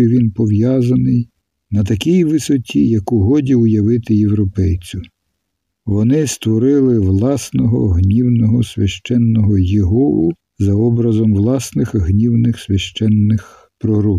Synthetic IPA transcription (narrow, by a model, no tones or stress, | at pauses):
ʋʲinpɔʋjɑzɐnɪj | nɐt̪̬ɐkʲijʋɪsɔtʲijɐkʊɦɔdʲiʊjɐʋɪt̪ɪjewɾɔpɛjt͡sʲʊ | ʋɔnɪst̪ʋɔɾɪlˠɪʋlˠɑsnɔɦɔ̰ɦnʲiwnɔɦɔsʲʋʲjɐʃt͡ʃɛnːɔɦɔjeɦɔʊ | zɐɔbɾɐzɔmʋlˠɑsnɪxɦnʲiwnɪxsʲʋʲɐʃt͡ʃɛnːɪx | pɾɔɦɾup